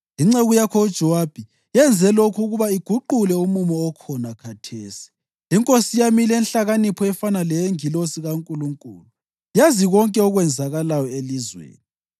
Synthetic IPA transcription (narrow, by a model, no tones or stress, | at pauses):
iŋ͡ǀeɣujakʰɔud̥ʒ̥ʱɔwab̥ʱi | jɛnd͡zʱɛlokʰuɣuβaiɡ̥ʱuǃulɛumumɔːkʰɔnakʰatʰeːsi̥ | iŋkʼosijamilɛnɬaɣanipʰɔɛfanalɛjeŋilosiɣaŋkʼuluŋkʼṵːlu | jaziɣɔŋkʼɛɔɣwɛnd͡zʱaɣalajɔelizwḛːni